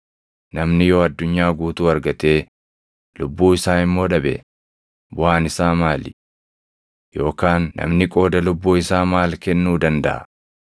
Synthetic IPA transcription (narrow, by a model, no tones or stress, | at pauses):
nɐmnɪjo̞ːɐd̪ːʊɲːaːɡuːt̪uːɐɾɡɐt̪e̞ː | lʊbːuːɪsaːɪmːo̞ːᶑɐbɛ̰ | bʊhaːnɪsaːmaːlɪ | jo̞ːkaːnːɐ̰mnɪkʼo̞ːd̪ɐlʊbːuːɪsaːmaːlkɛnːuːd̪ɐnd̪ɐ̰ʔɐ̰